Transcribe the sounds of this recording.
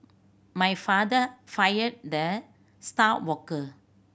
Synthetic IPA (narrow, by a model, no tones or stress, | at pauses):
majfadəfajəd̚də | statwɔkə